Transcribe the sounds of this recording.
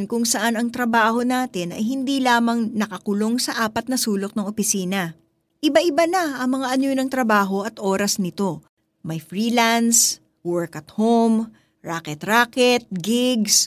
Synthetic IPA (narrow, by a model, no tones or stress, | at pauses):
nkʊŋsɐʔanɐŋt̪ɾɐbaːho̞naːt̪ɪnɐ̰jɦɪnd̪ilaːmɐŋnɐkɐkʊlo̞ŋsɐʔaːpɐt̪̚nɐsuːlo̞k̚nɐŋopɪsiːnɐ | ʔɪbaʔɪbanɐɐŋmɐŋaʔɐnjonɐŋt̪ɾɐbaːɦo̞ʔɐt̪ʔo̞ːɾɐsnɪt̪o̞ | mɐjfɹiːlans | wɛɹkɐt̪howm | ɹakɛt̪ɾaːkɛt̪̚ɡɪɡs